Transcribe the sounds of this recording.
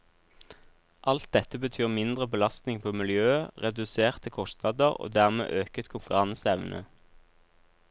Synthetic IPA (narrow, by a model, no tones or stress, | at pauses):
ʔɑlt̪̚d̪ɛt̪əbət̪ʰyːʁmɪnd̪ʁəbəlɑst̪nɪŋpʰoːmɪljøːəʁɛd̪ʉseːʁt̪ʰəkʰɔst̪nɑːd̪əʁo̰ːd̪æːʁmḛːʔøːkət̪kʰʊŋkʉʁɑnsɛʋnʔə̰